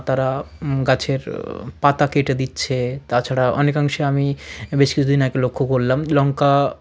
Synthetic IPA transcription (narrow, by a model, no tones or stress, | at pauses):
t̪aɾaɡat͡ɕʰeɾpat̪akeʈed̪itːɕʰet̪at͡ɕʰaɽaʔɔ̰nekaŋʃeamibeʃkit͡ɕʰud̪inakelokʰːokoɾlamlɔŋka